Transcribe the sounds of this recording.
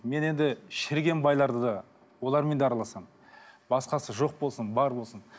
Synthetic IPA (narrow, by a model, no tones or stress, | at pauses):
me̞ne̞nd̪ɪʃɪɾɡʲe̞nbɑjlˠɑɾd̪əd̪ɑ | wo̞lˠɑɾme̞nd̪eɑɾɑlˠɑsɑm | bɑsqɑsəʒo̞q̚bo̞lˠsənbɑɾbo̞lˠsən